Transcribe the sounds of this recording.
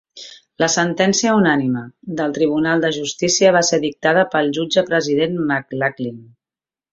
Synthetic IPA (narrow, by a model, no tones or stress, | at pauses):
ləsənt̪ɛnsiəunaniməd̪əlˠt̪ɾiβ̞unalˠd̪əʒust̪isiəβ̞aseðik̚t̪að̞əpəlˠʒud͡ʒəpɾəziðenmaklaklin